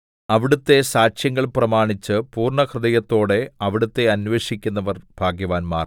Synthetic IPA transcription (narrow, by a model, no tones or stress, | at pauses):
ɐʋiɽut̪ːe̞saːɕjɐŋɡːɐɭprɐmaːɳit͡ɕːɨpuːrɳɐkrɨd̪ɐjɐt̪ːo̞ːɽe̞ɐʋiɽut̪ːe̞ɐnʋe̞ːɕikʲːunːɐʋɐrbʱaːɡjɐʋaːnmaːr